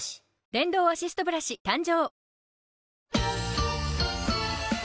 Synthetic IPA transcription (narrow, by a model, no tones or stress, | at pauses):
d̪ẽ̞nd̪o̞ːaɕisɨ̥t̪o̞bɯ̟ɾaɕit̪ãɲd͡ʑoː